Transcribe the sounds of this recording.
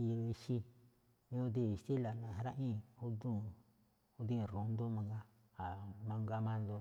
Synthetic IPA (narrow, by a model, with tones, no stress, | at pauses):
i˧i˧ʃi˧ | ĩ˧˦õ˧˦d̪i˦˧˨i˨t̪i˦la˨nã˨ɦa˧ɾa˦ʔĩ˦˨u˦d̪ũ˦˨ | o˦d̪ĩ˦˨ɾõ˨nd̪o˦mã˧ŋɡa˦ | a˨mã˧ŋɡa˧mã˦˧nd̪o˧